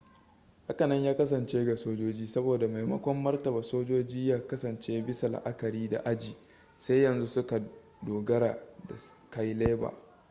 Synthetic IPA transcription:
ha˦kɐ˨nɐ˦ɲjaː˦kɐ˦s̬ɐ˨nt͡ʃeː˦ɡa˨soː˦d͡ʒoː˦d͡ʒiː˦sɐ˦boː˨da˨ma˨jmɐ˦kʷɔ˦mːɐ˦rtɐ˨bɐ˨soː˦d͡ʒoː˦d͡ʒiː˦jaː˦kɐ˦sɐ˨nt͡ʃeː˦bɪ˦sa˨l̰ʔa̰˦kɐ˨ɽiː˦da̰˨ʔa˦d͡ʒiː˨ | sa˦jɐ˨nzu˦sʊ˦ka˨ | doː˨ɡɐ˦ɾaː˨da˨ka˦jleː˦ba̰ː˨

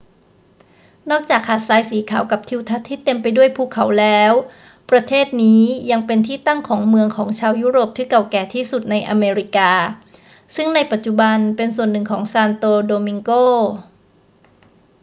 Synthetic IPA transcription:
nɔː˥˩k̚t͡ɕaː˨˩k̚haː˨˩t̪̚saː˨˧jsiː˩˦kʰaː˩˦wka˨˩p̚t̪ʰi˧wt̪ʰa˦˥t̪ʰːiː˥˩t̪e˧mpa˧jdu˥˩əjpʰuː˧˩kʰa˩˦wlɛː˦˥w | pɾa˧t̪ʰeː˥˩t̪̚niː˦˥ja˧ŋpe˧nt̪ʰiː˥˩t̪a˥˩ŋkʰɔː˩˦ŋmɯ˧əŋkʰɔː˩˦ŋt͡ɕʰaː˧wjuː˦˥ɾoː˨˩p̚t̪ʰɯː˧˥˩ka˨˩wkɛː˨˩t̪ʰiː˥˩su˨˩t̪̚na˧jʔa˧meː˧ɾi˦˥kaː˧ | sɯ˥˩ŋna˧jpa˨˩t̪̚t͡ɕu˨˩ba˧npe˧nsu˨˩ənːɯ˨˩ŋkʰɔː˩˦ŋsaː˧nt̪oː˧doː˧mi˧ŋkoː˥˩

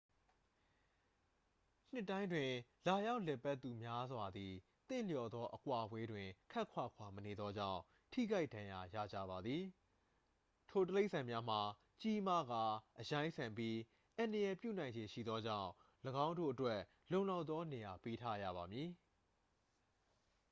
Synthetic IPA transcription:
n̥ɪ˦˨tːã˦ɪ̃ndwɪ̃˨la˨ja˦ʊʔlɛ˨pa˦t̪ːu˨mja˦zwa˨d̪i˨ | t̪ɪ̰̃˦˨ljɔ˨d̪ɔ˦ʔəkwa˨bwe˦dwɪ̃˨kʰa˦ʔkʰwa̰˦˨kʰwa˨məne˨d̪ɔ˦d͡ʑã̰˦˨ʊ̃ | tʰḭ˦˨ɡa˦ɪʔd̥ã˨ja˨ja̰˦˨d͡ʑä̰˦˨ba˨d̪ði˨ | tʰo˨t̬əle˦ʔsã˨mja˦m̥a˨ | t͡ɕi˦ma˦˨ɡa˦˨ʔəjã˦ɪ̃sʰã˨mpji˦ | ʔã˨ndə˨jɛ˨pjṵ˦˨nã˨ɪ̃ɲd͡ʑe˨ʃḭ˦˨d̪ðɔ˦d͡ʑã̰˦˨ʊ̃ | ləɡã˦ʊ̃ndo̰˦˨ʔətwɛ˦ | lõ˨ʊ̃la˦ʊt̪ːɔ˦ne˨ja˨pe˦tʰa̰˦ja̰˦˨βa˨mji˨

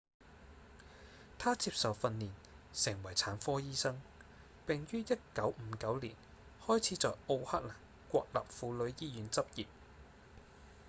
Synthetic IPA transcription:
t̪ʰaː˥t͡siː˧p̚sɐ˨wfɐ˧nːiː˨˩n | sɪ˨˩ŋwɐ˨˩jt͡sʰaː˨˥nfɔː˥jiː˥sɐ˥ŋ | pɪ˨ŋjyː˥jɐ˥t̚kɐ˨˥wm̩˨˥kɐ˨˥wliː˨˩n | hɔː˥jt͡sʰiː˨˥t͡sɔː˨jo˧whaː˥t̚laː˨˩ŋ | kʷɔː˧k̚lɐ̰ː˨p̚fuː˨˥lɵ˨˧ɥjiː˥jyː˨˥nt͡sɐ˥p̚jiː˨p̚

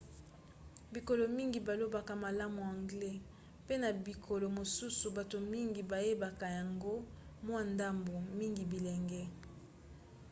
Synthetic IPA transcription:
bi˨ko˨lo˨mi˦ŋɡi˨ba˨lo˦ba˨ka˨ma˨la˦mu˨a˨ŋɡlɛ˦ | pe˦na˨bi˨kʰo˨lo˨mo˨su˦su˨ba˨to˨mi˦ŋɡi˨ba˨je˦ba˨ka˨ja˨ŋɡo˦ | mwa˦nda˦mbo˨mi˦ŋɡi˨bi˨lɛ˨ŋɡɛ˦

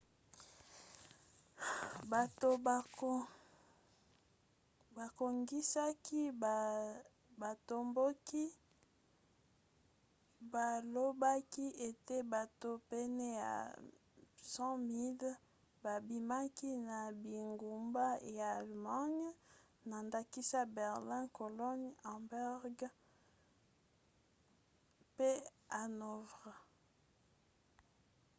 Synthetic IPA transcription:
ba˨to˨ | ba˨ko˨ŋɡi˦sa˦ki˦˨ | ba˨to˨mbo˦ki˦ | ba˨lo˦ba˦ki˦e˨te˦ba˨to˦pɛ˦nɛ˦ja̰˨ | sɑ̃˦mi˦l | ba˨bi˨ma˦ki˦na˨bi˨ŋɡu˨mba˦jaː˨lma˦ɲ˦ | na˨nda˦ki˦sa˦bɛ˨ʁlɛ̃˦ko˨lɔ˦ɲa˨bɛ˦ʁɡ | pe˦ | a˨no˨vʁ

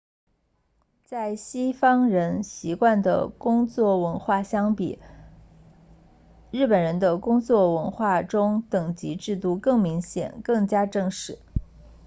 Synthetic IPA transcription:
t͡sa˥˩ɪɕi˥fɑ˥ŋɻə˧˥nɕi˧˥kwa˥˩nd̪ə̰˩kʊ˥ŋt͡swɔ˥˩wə˧˥nxwa˥˩ɕjɑ˥ŋpḭ˨˩˦ | ɻɻ̩˥˩pə˨˩nɻə˧˥nd̪ə˧kʊ˥ŋt͡swɔ˥˩wə˧˥nxwa˥˩ʈ͡ʂʊ˥ŋt̪ɤ˨˩ŋt͡ɕi˧˥ʈ͡ʂɻ̩˥˧t̪u˥˧kɤ˥˩ŋmi˧˥ŋɕjɛ̰˨˩˦nkɤ˥˩ŋt͡ɕja˥ʈ͡ʂɤ˥˧ŋʂɻ̩˥˩˦

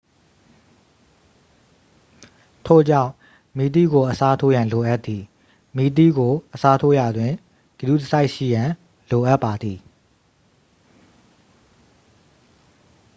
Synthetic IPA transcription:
tʰo˦˨d͡ʑã˦˨ | mi˨t̪̬ḭ˦˨ɡo˨ʔəsa˦tʰo˦jã˨lo˨ʔa˦t̪ːði˨ | mi˦˨t̪̬ḭ˦˨ɡo˨ʔəsa˦tʰo˦ja˨dwɪ̃˨ | ɡ̥ə˨du˦tə˦sa˦ɪʔʃḭ˦˨jã˨ | lo˨ʔa˦ʔpːa˨d̪ði˨

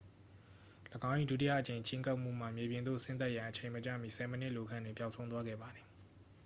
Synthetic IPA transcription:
ləɡã˦ʊ̃ʔḭ˦˨du˦ti˦ja̰˦˨ʔət͡ɕẽ˨ɪ̃ɲt͡ɕʰɪ̃˦ŋka˦ʊʔm̥ṵ˦˨m̥a˨mje˨bjɪ̃˨nd̪o̰˦˨sɪ̃˦nt̪a˦ʔjã˨ʔət͡ɕʰẽ˨ɪ̃mət͡ɕä̰˦˨mi˦˨sʰɛ˨mənɪ˦ʔlo˨kʰã˦ndwɪ̃˨pja˨ʊʔsʰõ˦ʊ̃t̪wa˦ɡɛ̰˦˨ba˨d̪ði˨

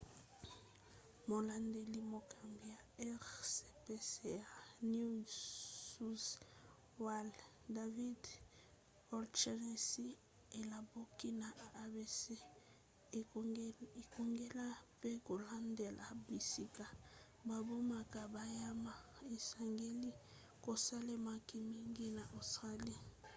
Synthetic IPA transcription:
mo˨la˦nde˦li˦mo˨kʰa˨mbi˨ja˨ɛ˦ʁse˨pe˦se˨ja˨nu˦ | su˦s | wa˦l | da˨vi˦d | ɔ˦lt͡ʃɛ˦ne˨si˦ | e˨la˨bo˦ki˦na˨a˨be˦˨se˦ | e˨ko˨ŋɡe˦la˦pe˦ko˨la˦nde˨lʔa˨bi˨si˨ka˨ | ba˨bo˦ma˨ka˨ba˨ja˦ma˦˨e˨sa˨ŋɡe˦li˦ | ko˨sa˦le˦ma˦ki˦mi˦ŋɡi˦na˨ʔo˨stʁa˦li˦˨

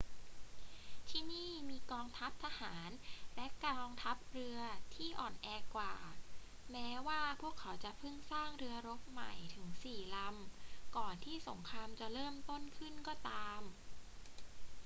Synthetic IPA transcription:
t̪ʰiː˥˩niː˥˩miː˧kɔː˧ŋt̪ʰa˦˥p̚t̪ʰa˧haː˩˦nlɛ˦˥kɔː˧ŋt̪ʰa˦˥p̚ɾɯ˧ɐt̪ʰiː˥˩ʔɔː˨˩nʔɛː˧kwaː˨˩ | mɛː˦˥waː˥˩pʰu˥˩əkʰːa˩˦wt͡ɕa˨˩ʔpʰɯ˥˩ŋsaː˥˩ŋɾɯ˧ɐɾo˦˥p̚ma̰˨˩jt̪ʰɯ˩˦ŋsiː˨˩la˧mkɔː˨˩nt̪ʰiː˥˩so˩˦ŋkʰɾaː˧mt͡ɕa˨˩ɾɤː˥˩mt̪o˥˩nkʰɯ˥˩nkɔː˥˩t̪aː˧m

